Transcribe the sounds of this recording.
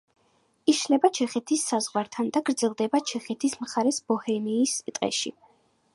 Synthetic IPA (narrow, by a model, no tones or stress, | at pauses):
iʃlɛbat͡ʃʰɛχɛt̪ʰisːazʁwaɾt̪ʰand̪aɡɾd̪zɛlˠd̪ɛbat͡ʃʰɛχɛt̪ʰismχaɾɛsb̥ɔhɛmiːst̪ʼqʼɛ̰ʃḭ